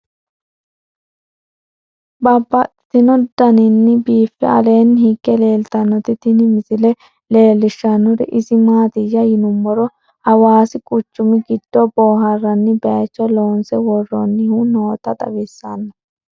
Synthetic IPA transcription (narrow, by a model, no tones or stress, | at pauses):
bɐbːɐt̪ɪ̥t̪ɪnɔd̪ɐnɪnːɪbiːfːɛ̰ɐleːnːhɪɡːɛle̞ːlt̪ɐnːɔt̪ɪt̪ɪnɪmɪsɪlɛ | le̞ːlːɪʃːɐnːɔɾɪ̰ʔɪzɪmaːt̪ɪjɐjɪnʊmːɔɾɔ | hɐwaːsɪkʼʊt͡ʃːʊmɪɡɪd̪̥ːɔboːɦɐrːɐnːɪbɛat͡ʃːɔloːnsɛwɔrːɔnːɪhunoːt̪ɐt̪ʼɐ̰wɪsːanːɐ